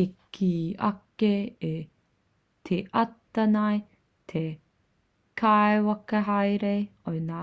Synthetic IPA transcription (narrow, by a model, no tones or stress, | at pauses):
ekʰiɐ̰kee | t̪ʰeʔɐt̪ːɐnɐj | t̪ʰe | kʰaewɐkɐɦɐjɾejojna